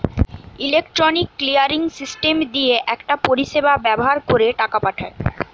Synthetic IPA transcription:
ilek̚ʈɾonikːlijaɾiŋsisʈemd̪ieʔɛkʈapoɾiʃebabɛboɦaɾkoɾeʈakapaʈʰae

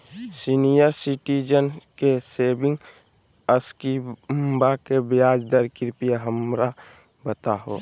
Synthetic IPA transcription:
sinijəɾsiʈid͡ʒənkeseːbɪ̃ŋ | əskimbakebjaːd͡ʒd̪əɾkɪɾpijaɦəmɾa | bət̪aɦo̰

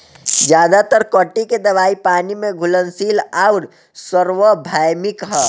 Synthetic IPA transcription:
d͡ʒjaːd̪at̪əɾkəʈːiked̪ɐʋaːipaːnimẽɡʱʊlənsiːlaːʊɾ | səɾwəbʱaːjmɪkɦɛː

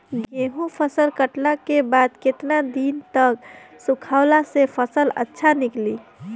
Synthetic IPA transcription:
ɡeɦũpʰəsəlkəʈlakebad̪ket̪nad̪int̪əksukʰaʊlasepʰəsələ̰tːʃʰanikli

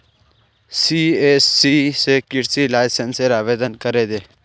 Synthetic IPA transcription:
siːesːiːsekɪʈsilaːɪsenseɾaːʋeːd̪ənkəɾeːd̪eː

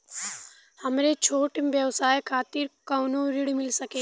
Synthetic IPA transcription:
hɐmɾet͡ʃʰoːʈɪmbjəʋsaːjkʰaːt̪ɪɾkɐːnõɾɪɽimɪlsɐkẽː

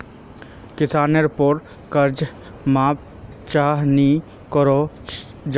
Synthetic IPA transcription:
kɪsaːneɾpoːʈ | kəɾd͡ʒ | maːp̚ | t͡ʃaːɦni | kɔɾo | d͡ʒ

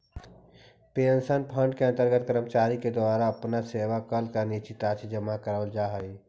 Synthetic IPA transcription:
peːənsənpʰə̃ɳɖkeɐ̃nt̪əɾɡət̪kəɾəmt͡ʃaːɾiked̪ʊaːɾaɐpnaseːʋakəlkanit͡ʃit̪aːt͡ʃʰid͡ʒəmakəɾəld͡ʒaːɦəi

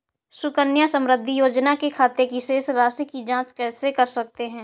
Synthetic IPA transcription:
sʊkənjasə̃mɾəd̪ʱːijoːd͡ʒnakekʰaːt̪ekiʃeːsɾaːsikid͡ʒãːt͡ʃkɛːsekɐɾsɐk̚t̪eɦɛ̃ː

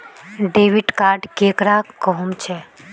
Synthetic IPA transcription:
ɖeːʋɪʈkaːɾɖkeːkɾakɔɦumt͡ʃʰe

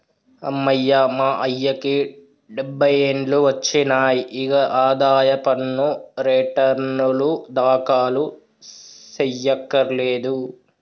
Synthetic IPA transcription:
ɐ̰mːɐjːamaːʔɐjːɐki | ɖebʱːɐjeɳluʋɐt͡ʃːinaːjiʔiɡɐʔaːd̪aːjɐpɐnːuɾeʈɐɾnulud̪aːkaːlu | sejːɐkːɐɾleːd̪u

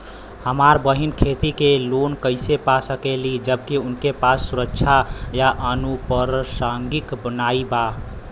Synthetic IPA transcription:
həmaɾbəɦinkʰet̪ikelonkəɪsepasəkelid͡ʒəbkiʊnkepasːuɾəkt͡ʃʰajaʔənupəɾsaŋɡikbənaiba

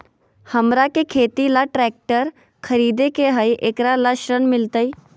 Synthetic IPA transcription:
həmɾakekʰeːt̪ilaʈɾɛːk̚ʈəɾ | kʰəɾiːd̪ekeɦəiʔekɾalaʃɾənmɪlt̪əiː

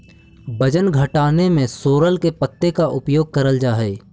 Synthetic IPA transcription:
bɐd͡ʒənɡʱɐʈaːnemẽsoːɾəlkepɐt̪ːekaʔʊpjoːɡ̚kɐɾəld͡ʒaːɦɛː

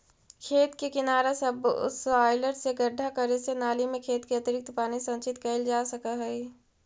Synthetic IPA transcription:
kʰeːt̪kekɪnaːɾasɐbʊ̰saːɪləʈseɡɐɾɖʱakɐɾesenaːlimẽkʰeːt̪keɐt̪əɾɪk̚t̪paːnisɐ̃nt͡ʃɪt̪kɐɪld͡ʒaːsɐkaɦɛi

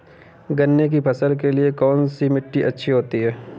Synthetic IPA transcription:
ɡɐnːek̬ibʱɐsəɾk̬eliekɔːnsimɪʈːiʔɐtːʃʰiɦoːt̪iɦɛː

